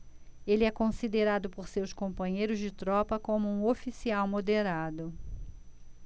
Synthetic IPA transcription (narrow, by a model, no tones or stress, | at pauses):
elɪɛkõsid̪eɾad̪ʊpoɾsewskõpɐ̃ɲejɾʊzd͡ʒɪt̪ɾɔpɐkõmʊũofisiawmod̪eɾad̪ʊ